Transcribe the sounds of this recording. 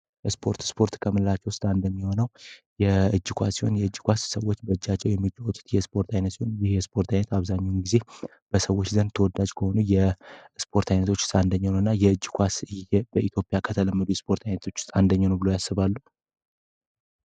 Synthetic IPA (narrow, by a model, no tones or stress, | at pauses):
jɛspʰo̞ɾt̪spʰo̞ɾt̪kʰəmɨllat͡ʃːɛwst̪ʼand̪əmːiho̞nəwjɛɨd͡ʒːkʷʰasiho̞njɛɨd͡ʒːikʷassəwːot͡ʃːbəɨd͡ʒːat͡ʃːɛwjɛmːit͡ʃʼːawɔt̪ʰu̥t̪jɛspʰo̞ɾt̪ʰajnət̪sihonjɪhjɛspʰo̞ɾt̪ʰajnət̪aβzaɲːawnɡize̞ | b̥əsəwːot͡ʃːzənt̪ʰəwɔd̪ad͡ʒkʰəho̞nujɛspʰo̞ɾt̪ʰajnət̪ʰo̞t͡ʃːst̪ʼand̪əɲːanəwɨnːajɛɨd͡ʒːkʷʰasjɛbəit̪ʰjo̞pʼijakʰət̪ʰələmːəd̪ujɛspʰo̞ɾt̪ʰajnət̪ʰo̞t͡ʃːst̪ʼand̪əɲːanəwbɨlojasːɨβalːu